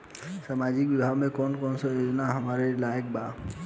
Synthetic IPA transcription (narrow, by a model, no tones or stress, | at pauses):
samad͡ʒikbibʱaɡmẽkɔnkɔnsə̃jod͡ʒnaɦəmaɾelaek̚ba